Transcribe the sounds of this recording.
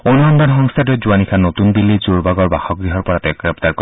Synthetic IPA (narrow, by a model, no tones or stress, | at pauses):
onuɦɔndanxɔŋstʰat̬ɔjzuanikʰanotunbilːizuɹbaɡɔɹbaxɔɡɹiɦɔɹpɔɹatɛkɹɛp̚taɹko